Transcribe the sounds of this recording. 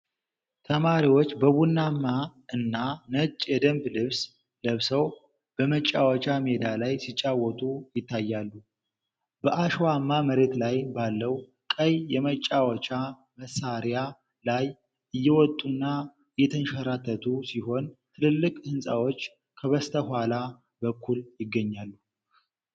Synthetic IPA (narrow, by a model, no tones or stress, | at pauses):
t̪ʰəmaɾiwot͡ʃːbəβunːamːaɨnːanət͡ʃʼːjɛd̪əmblɨβs | ləβsəw | b̥əmət͡ʃʼːawɔt͡ʃʼame̞d̪alajsit͡ʃʼːawɔt̪ʼujɪt̪ʰːajːalːu | bəʔaʃwamːaməɾe̞t̪lajbalːəw | kʼəjjɛmət͡ʃʼːawɔt͡ʃʼa | məsːaɾja | laj | ʔɨjːɛwɔt̪ʼːunːa | ɨjːɛt̪ʰənʃaɾat̪ʰːət̪ʰusiɦo̞nt̪ʰɨlɨlːɨkʼhɨnsʼawo̞t͡ʃː | kʰəβəst̪ʰəhʷwala | bəkʰːuljɪɡːəɲːalːu